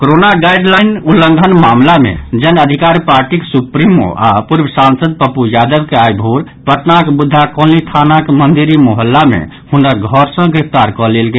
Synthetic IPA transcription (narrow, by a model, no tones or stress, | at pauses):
koɾonaɡajɖlajnulːəŋɡʱənmamlamḛd͡ʒənəd̪ʱikaɾipaɾʈikesupɾimo̰ʔapuɾbʱəsansəd̪̚pəpujad̪əbkeajbʱuɾ | pət̪nakebud̪ʱːakɔlit̪ʰanakemənd̪iɾimɔɦəlːamḛ | hunɾaɡʱɔɾsə̃ɡɾepʰt̪aɾkɔlelɡe